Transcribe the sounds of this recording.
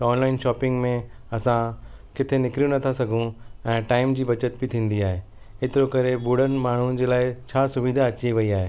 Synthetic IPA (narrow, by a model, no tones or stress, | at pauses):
ɔːnlaːɪnʃɔːpɪ̃ŋɡmẽɐsãkɪt̪ʰenɪkɾijũnɐt̪ʰasɐɡʱũɛ̃ːʈaːɪmd͡ʑiːbɐt͡ɕət̪̚bɪt̪ʰĩːn̆d̪iaːɦe | et̪ɪɾokɐɾebuːɽ̤ənɪ̆maːɳ̤ũd͡ʑeːlaːɪt͡ɕʰaːsʊʋiːd̪ʱaɐt͡ɕiʋɐiaːɦeː